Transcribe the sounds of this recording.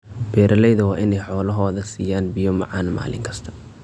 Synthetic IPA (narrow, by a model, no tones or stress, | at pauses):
b̥ɛːɾʔɐlɛjðɐwɑːʔɪnɛjħɔːlɐɦɔːðɐsiːjaːnbɪjɔmɑ̰ʕɑ̰ːnma̰ːlɪ̰ŋkʰɐst̪ʰɐ̥